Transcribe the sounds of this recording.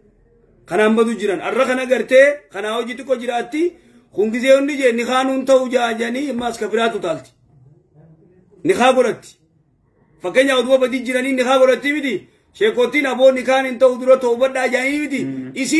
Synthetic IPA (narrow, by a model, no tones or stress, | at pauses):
kɐnaːmbɐd̪ʊd͡ʒɪɾɐnɐ̰rːɐkɐnɐɡɐɾt̪eːkɐnaːwɔd͡ʒɪt̪ɪkʼːɔd͡ʒɪɾaːt̪ːɪ | hʊŋɡɪzeːʊnːɪd͡ʒɛnɪxaːnʊnt̪ɐʔʊd͡ʒaːd͡ʒɐniːmːaːskɐfɪɾaːt̪ʊt̪aːlt̪ɪ̥ | nɪxaːɡɔɾɐt̪ːɪ̥ | fɐkːeːɲːaʊd̪ʊbɐbɐd̪iːd͡ʒɪɾɐniːnːɪxaːɡɔɾɐt̪ːimɪt̪ɪ | ʃeːkːoːt̪ːiːnɐbo̞ːnɪkaːnɪnt̪ɐʔʊd̪ʊɾɐt̪oːʊbɐᶑaːd͡ʒaːniːmɪt̪ɪɪsɪ